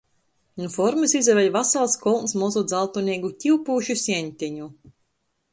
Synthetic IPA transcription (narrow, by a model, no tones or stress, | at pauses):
nufɔɾmɨsizɛvʲɛjvasalˠskɔlˠnsmɔzud̪zalˠt̪unʲiɛɡucʲiwpuːʃusʲɛnʲt̪ʲɛɲu